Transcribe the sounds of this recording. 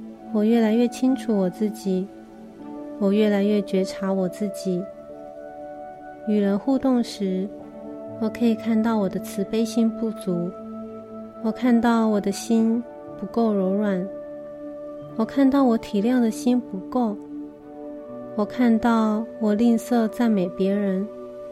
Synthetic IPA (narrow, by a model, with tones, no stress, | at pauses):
wɔ˨˩ɥɛ˥˩la˧˥ɪɥɛ˥˩t͡ɕʰi˥ŋʈ͡ʂʰu˨˩wɔ˨˩t͡sɹ̩˥˩t͡ɕi˨˩˦ | wɔ˨˩ɥɛ˥˩la˧˥ɪɥɛ˥˩t͡ɕɥɛ˧˥ʈ͡ʂʰa˧˥wɔ˨˩t͡sɹ̩˥˩t͡ɕi˨˩˦ | y˨˩ɻə˧˥nxu˥˧t̪ʊ˥˩ŋʂɻ̩˧˥ | wɔ˨˩kʰɤ˧˥i˨˩kʰa˥˧nt̪ɑ˥˩ʊwɔ˨˩d̪ə˦t͡sʰɹ̩˧˥pe˥ɪɕi˥npu˥˩t͡su˧˥ | wɔ˨˩kʰa˥˧nt̪ɑ˥˩ʊwɔ˨˩d̪ə˦ɕi˥n | pu˧˥ko˥˩ʊɻo˧˥ʊɻwa˨˩˦n | wɔ˨˩kʰa˥˧nt̪ɑ˥˩ʊwɔ˧˥t̪ʰi˨˩ljɑ˥˩ŋd̪ə˩ɕi˥npu˧˥ko˥˩ʊ | wɔ˨˩kʰa˥˧nt̪ɑ˥˩ʊwɔ˨˩li˥˧nsɤ˥˧t͡sa˥˩ɪme˨˩ɪpjɛ˧˥ɻə˧˥n